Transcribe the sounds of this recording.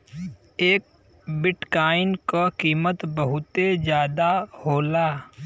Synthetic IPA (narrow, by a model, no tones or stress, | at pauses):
eːk̚ | bɪʈkaːɪnkakiːmət̪bəɦʊt̪ezjaːd̪ahoːlaː